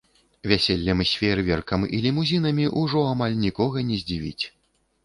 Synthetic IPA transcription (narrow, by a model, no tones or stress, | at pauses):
vʲasʲelʲːɐmɨsʲfʲeɾvʲɛrkɐmḭlʲimuzʲinɐmʲiʔuʐɔamalʲnʲikɔɣɐnʲɛzʲd͡zʲivʲḭt͡sʲ